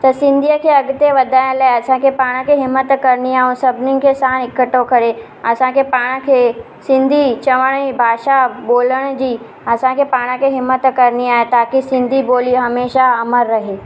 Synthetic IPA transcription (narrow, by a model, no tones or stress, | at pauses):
t̪ɐsɪ̃nd̪ʱijəkʰeɐɡt̪eʋɐd̪ʱaːjnlaːeɐsãkʰepaːɽ̃əkʰeɦɪmːət̪kɐɾniaːũsɐbʱnɪnɪ̆kʰesaːnɪkəʈokɐɾe | ɐsãkʰepaːɽ̃kʰeː | sɪ̃nd̪ʱit͡ɕɐʋəɽ̃ibʱaːʃaɓoːləɽ̃d͡ʑiː | ɐsãkʰepaːɽ̃əkʰeɦɪmːət̪kɐɾniaːɦet̪aːkisɪ̃nd̪ʱiboːliɦɐmeːʃaɐməɾːɐɦeː